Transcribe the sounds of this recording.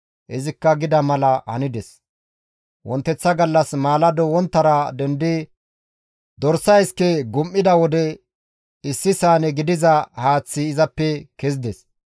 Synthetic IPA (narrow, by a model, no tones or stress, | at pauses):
ʔɪzɪkːɐɡɪd̪ɐmɐlɐɐ̰nɪd̪ɛs | wɔnt̪ːɛt͡sːɐɡɐlːɐsmaːlɐd̪ɔwɔnt̪ːɐɾɐd̪ɛnd̪ɪ | d̪ɔɾsːɐjskɛɡʊmʔːɪd̪ɐwɔd̪ɛ | ɪsːɪsaːnɛɡɪd̪ɪzɐhaːt͡sːɪːzɐpːɛkɛzɪd̪ɛs